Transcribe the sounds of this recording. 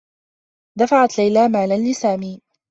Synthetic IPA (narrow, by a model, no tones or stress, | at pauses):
d̪afaʕat̪lajlaːmaːlanlːɪsaːmiː